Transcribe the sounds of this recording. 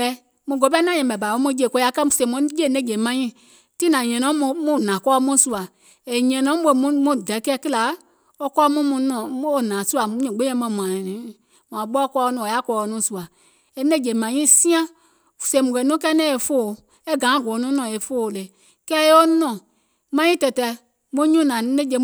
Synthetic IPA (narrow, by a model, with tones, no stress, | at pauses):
ɛ˧˦ | mũ˧˨ɡo˨˦bɛ˦nã˦ɲɛ̃˨bɛ˨ba˨o˦mũ˧˦d͡ʒe˧˨kɔ˧˦a˧˦kɛ˦mu˨sẽ˧˨mũ˧˦je˦˨nɛ̃˦˨d͡ʒe˨mã˨˧ɲĩ˦˨ | ti˦nã˨ɲɛ̃˨nɔ̃˨˦˧mũ˦˨nã˨kɔː˦˧˦mũ˦su˧a˨ | e˨ɲɛ̃˨nɔ̃˨˦ɓo˧˦˨mũ˧˦mũ˧˦˨dɛ˨˦kɛ˦kɨ˦la˨˦ | o˧kɔ˦mũ˦mũ˧nɔ̃˨˦o˦˨nã˨su˦a˨mũ˧˦ɲɛ̃˨ɡ͡bẽ˦ɛ̃˧˦mɔ̃˧˨m˨ã˨nĩ˨˦ | mã˨˦ɓɔ˦kɔ˧nɔ̃˨a˦kɔː˧o˧nũ˨˦˨su˨a˨ | e˨nɛ̃˦˨d͡ʒe˨mã˨ɲĩ˦sĩ˦ã˦˨ | se˨mũ˨kɛ˨nũ˦kɛ˦nɛ̃˦e˧fo˦˨ | e˦˨ɡã˨˦˨ɡɔ˨˦nũ˦nɔ̃˨e˨fo˦˨le˨ | kɛ˦e˦o˦nɔ̃˨ | mã˨˧ɲĩ˦tɛ˧tɛ˧ | mõ˦ɲũ˦nã˨˦nẽ˦d͡ʒe˧˨